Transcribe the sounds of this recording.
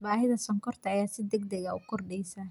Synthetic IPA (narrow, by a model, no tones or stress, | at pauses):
baːɦɪðɐsɐŋkʰɔrt̪ʰɐːjaːsɪd̪ɛɡd̪ɛɣɐʊkʰɔrɖɛjsaː